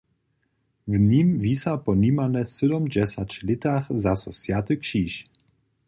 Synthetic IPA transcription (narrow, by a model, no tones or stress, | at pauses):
vɲimvisapɔnimanɛsəd̪ɔmd͡ʑɛsat͡ɕlɪt̪axzasɔsjat̪ɨkʂiːʃ